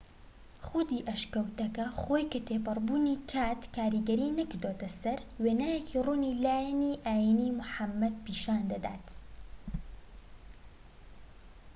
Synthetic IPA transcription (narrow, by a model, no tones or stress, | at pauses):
χʊd̪iːʔɐʃkɐwt̪ɐkɐxoːjkɐt̪ʰepɨrˤbuːniːkʰaːt̪kaːɾiːɡɐɾiːnɐkɨɾd̪oːt̪ɐsɐɾweːnaːjekiːruːnilaːjɐniʔaːjiniːmʊħamːɐd̪̚piːʃaːnd̪ɐd̪a̰ːt̪